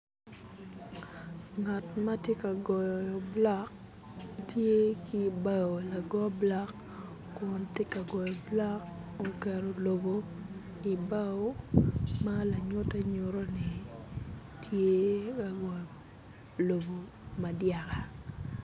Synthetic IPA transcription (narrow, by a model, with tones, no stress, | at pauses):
ŋa˨tma˦tje˦ka˨ɡɔ˨jjɔ˨bla˦k | tje˦ki˦ba˦o˨la˨ɡɔ˦bla˦kː | ʊ˨nte˦ka˨ɡɔ˨jɔ˨bla˦k | o˨kɛ˨ɾo˨lo˨bo˦ | i˨ba˦o˦ma˦la˨ɲʊ˦tɛ˦ɲo˨ɾo˦ni˨ | tʰje˦ka˨ɡɔ˨j | lo˨bo˨ | ma˨dja˨ka˨